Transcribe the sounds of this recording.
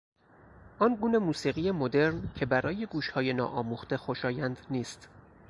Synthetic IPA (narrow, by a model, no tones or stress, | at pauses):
ʔɒːnɡuːne̞muːsiːɣijemo̞d̪e̞ɾncʰe̞bæɾɒːje̞ɡuːʃhɒːje̞nɒ̰ːʔɒːmuːxt̪e̞xoʃɒːjænd̪niːst̪